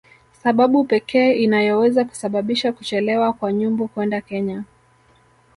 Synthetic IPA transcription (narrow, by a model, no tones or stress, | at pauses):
saɓaɓupɛkʰɛːinajɔwɛzaku̥saɓaɓiʃakut͡ʃɛlɛwakwaɲumbukwɛndakɛɲa